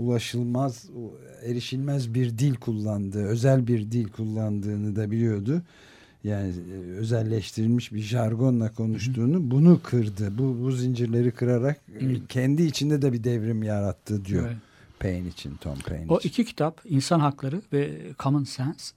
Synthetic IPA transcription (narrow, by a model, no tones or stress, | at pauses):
ulˠaʃɯlˠmaz | eɾiʃilʲmæzbiɾd̪ilʲkʰulˠːand̪ɯːø̞zælʲbiɾd̪ilʲkʰulˠːand̪ɯːnɯd̪abilʲijo̞d̪u | jaːniø̞zɛlʲːɛʃt̪ʰiɾilʲmiʃbiʒaɾɡo̞nlˠakʰo̞nuʃt̪ʰuːnubunukʰɯɾd̪ɯbubuzind͡ʒiɾlʲe̞ɾikʰɯɾaɾakcʰɛnd̪iːt͡ʃʰind̪ɛd̪ɛbid̪ɛvɾimjaɾat̪ʰːɯd̪ijo | pʰejnit͡ʃʰḭnt̪ʰo̰mpʰḛjnoicʰicʰi̥t̪ʰapinsanɦaklˠaɾɯvɛkʰamɯnsɛns